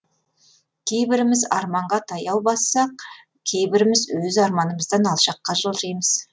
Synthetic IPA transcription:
kʲʰe̞jbɪɾɪmɪzɑɾmɑɴʁɑt̪ʰɑjɑwbɑsːɑq | kʲʰe̞jbɪɾɪmɪzwɵzɑɾmɑnəməzd̪ɑnɑlˠʃɑqːɑʒəlˠʒijməz̥

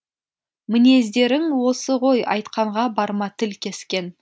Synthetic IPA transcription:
mɪne̞zd̪e̞ɾɪŋwo̞səʁo̞jɑ̰jt̪qɑɴʁɑbɑɾmɑt̪ʰɪlkʲʰe̞skʲe̞n

